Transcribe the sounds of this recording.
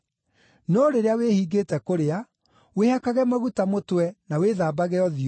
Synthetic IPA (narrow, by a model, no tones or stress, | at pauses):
nɔɾeɾeawehiːɡeːtɛkoɾea | wehakaɣɛmaɣutamotwɛnaweðaːbaɣɛɔði